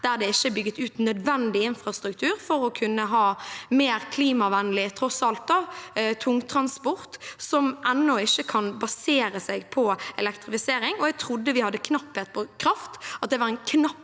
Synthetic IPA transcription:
d̪̥æɾd̪ɛɪçːəbʏɡːət̪ʉːt̪nœd̪ʋɛnd̪ɪɪnfɾɑst̪ɾʉkt̪ʰʉːɾfɔɾɔkʰʉnːəɦɑːmeːɾkʰliːmɑʋænəlɪt̪ʰɾɔsɑlt̪̚d̪ɑt̪ʰʊŋːt̪ʰɾɑnspɔɾt̪sɔmʔɛnːɔɪçːəkʰɑnbɑseːɾəsɛɡpʰɔɛlɛkt̪ɾɪfɪseːɾɪŋɔɛɡ̚t̪ʰɾʊd̪ːəʋɪhɑd̪ːəkʰnɑpːheːt̪pʰɔkʰɾɑft̪ɑt̪̚d̪ɛʋɑɾɛnkʰnɑpː

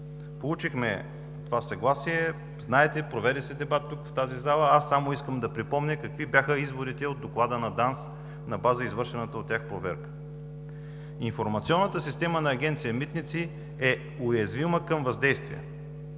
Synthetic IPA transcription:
polˠut͡ʃixmɛ | t̪ovasɐɡlˠasiɛ | znaɛt̪ɛpɾovɛd̪ɛsɛd̪ɛbat̪ːukft̪azizalˠəasːamoiskəmd̪ɐpɾipɔmnʲɛkɐkvibjaxəizvoɾit̪ɛod̪̚d̪oklˠad̪ənɐd̪ans | nɐbazəizvɤɾʃɛnət̪əot̪ːʲjaxpɾovɛ̰ɾkə̥ | infoɾmɐt̪siɔnːət̪əsist̪ɛmənɐːɡʲɛnt̪sijəmit̪nit̪si | ɛ | ʊjɛzviməkəmvɐzd̪ɛjst̪vḭɛ̰

